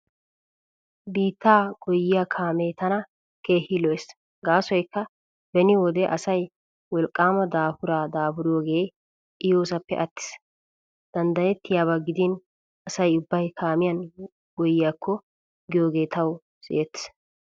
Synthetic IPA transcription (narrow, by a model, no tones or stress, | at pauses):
biːt̪ːaːɡɔjːɪjakʰaːmeːt̪ɐnɐ | ke̞ːhɪlɔes | ɡaːsɔjkːɐ | bɛnɪwɔd̪ɛʔɐsɐj | wɔlkʼːaːmɐd̪aːfʊɾaːd̪aːfʊɾɪjoːɡe̞ː | ʔɪjoːsɐpːɛ̰ʔɐt̪ːɪ̥s | d̪̥ɐnd̪ɐjɛt̪ːɪjaːβaɡɪd̪ɪn | ɐsɐjʊbːɐjkʰaːmɪjɐn | ɡɔjːɪjaːkʰːɔ | ɡɪjoːɡe̞ːt̪ʰɐw | sɪ̰ʔet̪ːɪ̥s